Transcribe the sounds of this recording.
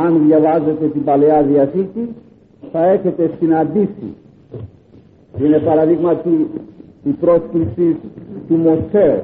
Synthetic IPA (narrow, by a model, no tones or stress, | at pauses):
ɐnðʝɐvɐze̞t̪e̞t̪ibɐleɐðiɐsit̪i | θɐe̞çe̞t̪e̞sinɐnd̪isḭ | ine̞pɐɾɐðiɣmɐt̪i | ipɾo̞sklisist̪umo̞seɾ